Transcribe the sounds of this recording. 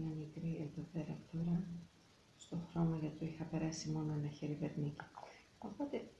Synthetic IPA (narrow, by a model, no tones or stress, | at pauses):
nɐmikɾied̪ope̞ɾɐt̪o̞ɾɐ | st̪o̞xɾo̞mɐʝɐt̪oixɐpe̞ɾɐsimo̞no̞enɐçeɾive̞ɾnici̥ | o̞po̞t̪e̞